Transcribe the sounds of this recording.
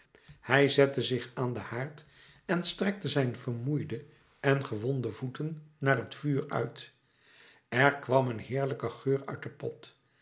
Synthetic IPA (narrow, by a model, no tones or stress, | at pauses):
hɛjzɛtəzɪχaːndəhaːɹt | ɛnstrɛk̚təzɛjnvəɹmujdə | ʔɛnχəʋɔndəvutənːaːrɦətfyːɹœ̰ɥt | ɛɹkʋɑmənɦɪːɹləkəχøːɹœ̰ɥt̚dəpɔt